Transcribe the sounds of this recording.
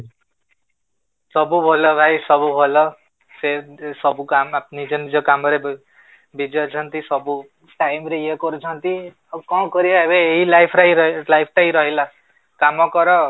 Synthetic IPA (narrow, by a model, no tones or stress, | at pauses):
sʌbubʱolʌbʱajsʌbubʱolʌ | sesʌbukamanid͡zʌnid͡zʌkamʌɾeb | bid͡zʌt͡sʰʌnt̪isʌbu | ʈajmɾeekoɾut͡sʰʌnt̪i | kʌ̃wkʌɾiʌebeeɦilajpʰɾajɾʌlajpʰʈaijɾʌɦela | kamʌkʌɾʌ